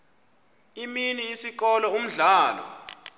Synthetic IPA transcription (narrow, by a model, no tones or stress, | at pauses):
iminiːsik̬ɔlɔum̩ɮaːlɔ̰